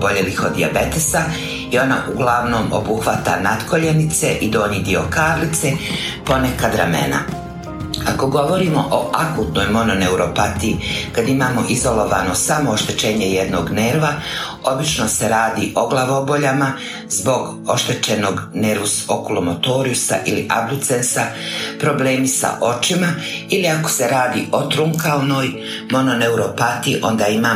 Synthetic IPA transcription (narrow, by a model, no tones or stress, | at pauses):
boʎelixo̞d̪d̪iabe̞t̪esa | io̞na̰ʔuɡlaʋno̞ːmo̞̰buxʋat̪a̰nat̪koʎenit̪se̞ʔid̪o̞ːɲid̪io̞kaːɾlit̪se̞ | po̞nekad̪ɾamḛna̰ | ako̞ɡo̞ʋo̞ɾimo̞ʔoʔakuːt̪no̞jmo̞none̞uɾo̞pat̪iikad̪imaːmo̞ʔizo̞lo̞ʋaːno̞samo̞oʃt̪e̞t͡ʃeːɲejed̪no̞ːɡneɾʋa | o̞bit͡ʃno̞se̞ɾaːd̪iʔoɡlˠaʋobo̞ʎama | zbo̞ɡ | o̞ʃt̪e̞t͡ʃe̞no̞ɡne̞ɾʋusokulomot̪o̞ɾiusa̰ʔilḭʔa̰blut̪sensa | pɾo̞ble̞ːmisa̰ʔo̞t͡ʃima | iliako̞̥se̞ɾaːd̪iːʔo̞t̪ɾuŋkalnoːj | mo̞no̞ne̞uɾo̞pat̪iiʔo̞̰nd̪aːimaː